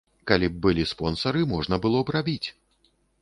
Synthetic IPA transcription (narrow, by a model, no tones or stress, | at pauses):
kalʲib̚bɨlʲispɔnsɐɾɨmɔʐnɐbɨlˠɔbrabʲit͡sʲ